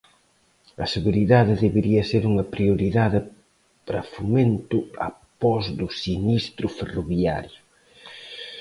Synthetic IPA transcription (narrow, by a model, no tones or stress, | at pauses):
ɐseɣuɾiðaðɪðeβeɾiɐseɾuŋɐpɾiuɾiðaðɪ | pɾɐfumẽnt̪ʊɐ̰pɔzðʊsinist̪ɾʊferoβia̰ɾjʊ